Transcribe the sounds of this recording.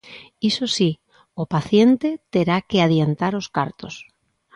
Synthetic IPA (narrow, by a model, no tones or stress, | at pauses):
isosi | opaθjent̪et̪eɾakeaðjent̪aɾoskaɾt̪os